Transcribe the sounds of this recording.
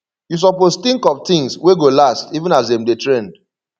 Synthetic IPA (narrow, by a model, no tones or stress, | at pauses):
jus̬ɔpost̪ĩŋkɔvt̪ĩŋsweɡolastivə̃nazdɛ̃mdetɹɛ̃nd̥